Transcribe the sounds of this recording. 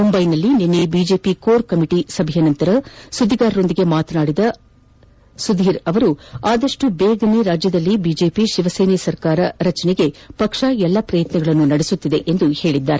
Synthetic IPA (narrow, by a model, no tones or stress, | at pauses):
mumbɐjnɐlːinenːebiːd͡ʒe̞ːpikoːɾkɐmiʈisɐbʱijɐnɐnt̪ɐɾɐsud̪ʱiɡaːɾːo̞nd̪iɡe̞maːt̪naːɽid̪ɐ | sud̪ʱiːɾɐʋɐɾuaːd̪ɐʂʈubeːɡɐniɾaːd͡ʒjɐd̪ɐlːibiːd͡ʒe̞ːpiʃiʋɐseːnesɐɾkaːɾɐɾɐt͡ʃɐneɡe̞pɐkʂaɛlːɐpɾɐjɐt̪nɐɡɐɭɐnːunɐɽesut̪ːid̪e̞ʔend̪uhe̞ːɭid̪ːaːɾe